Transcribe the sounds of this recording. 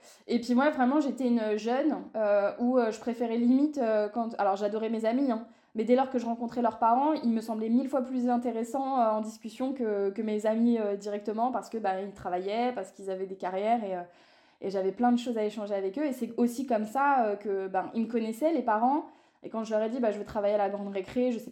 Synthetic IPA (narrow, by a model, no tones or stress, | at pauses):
epɥimwavʁɛmɑ̃ʒet̪ɛynʒœnøuøʒəpχefeʁɛlimit̪økɑ̃t̪alɔʁʒad̪ɔʁɛmezamiɛ̃ | mɛd̪ɛlɔʁkəʒəʁɑ̃kɔ̃t̪χɛlœʁpaʁɑ̃ilməsɑ̃blɛmilfwaplyzɛ̃t̪eʁesɑ̃øɑ̃d̪iskʲysjɔ̃kəkəmezamiød̪iʁɛk̚t̪əmɑ̃paʁsə̥kəbailt̪χavajɛpaʁsə̥kilzavɛd̪ekaʁjɛʁeø | ḛʒavɛplɛ̃d̪əʃozaeʃɑ̃ʒeavɛkøesɛosikɔmsaøkəbailməkɔnɛsɛlepaʁɑ̃ | ekɑ̃ʒəlœʁɛd̪ibaʒəvøt̪χavajealaɡʁɑ̃d̪ʁekχeʒəsɛ